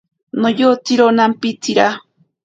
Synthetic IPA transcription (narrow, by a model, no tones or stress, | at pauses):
nojot̪iɾonampit͡sʰiɾa